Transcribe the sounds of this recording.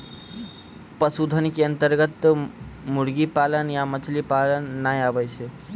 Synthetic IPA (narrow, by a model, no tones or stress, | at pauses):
pəsud̪ʱənkeənt̪əɾɡət̪muɽɡipalənjamət͡ʃʰlipalənːajabəjt͡ʃʰe